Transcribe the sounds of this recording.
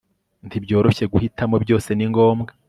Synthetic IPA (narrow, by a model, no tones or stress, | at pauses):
ntibɟo̞ːɾo̞çe̞ɡuhitamo̞bjɟo̞ːse̞niŋɡo̞ːmɡa